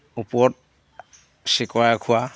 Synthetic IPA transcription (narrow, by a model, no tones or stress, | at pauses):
upɔt̚ | sikwajakʰʊa